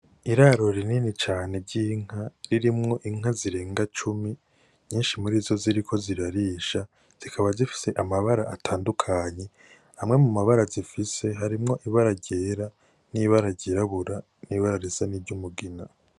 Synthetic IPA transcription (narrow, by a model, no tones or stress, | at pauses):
iɾaːɾo̞ɾininit͡ʃaːne̞ɟiːŋ̥aɾiɾimŋo̞ʔiŋ̥aziɾe̞ːŋɡat͡ʃumi | ɲiːnʃimuɾiːzo̞ziɾikʰo̞ziɾaɾiːʃa | z̥ikʰaβazifi̥se̞ʔamaβaɾaʔatʰaːndukʰaɲe̞ | hamŋe̞mumaβaɾazifise̞ɦaɾimŋo̞ʔiβaɾaɟe̞ːɾa | niβaɾaɟeɾaβuɾa | niːβaɾaɾizanibɟumuɡina